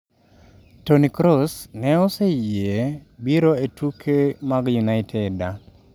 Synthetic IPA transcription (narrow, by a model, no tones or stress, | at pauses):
tonikɾɔsnɛɔsejebiɾoetukʰemaɡjunaɪtʰeda